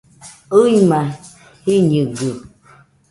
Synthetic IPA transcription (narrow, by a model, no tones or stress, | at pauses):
uima | hiɲiɡə